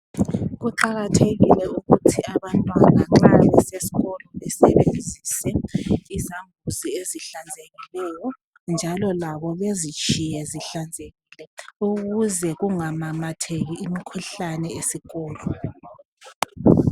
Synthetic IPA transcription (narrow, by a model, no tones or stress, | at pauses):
ɣuǃaɣatʰeɣilɛuɣutʰiaβantʼwaɣaŋ͡ǁaɣɛsesi̥ɣɔlɔβɛsɛβend͡zʱiːsɛizambʱuzieziɬand͡zʱeɣilɛːjɔ | nd͡ʒʱalɔlaβɔβezit͡ʃʼijɛziɬand͡zʱeɣilɛuɣuzɛɣuŋamamatʰeɣiːmikʰuɬanɛesiɣɔːlɔ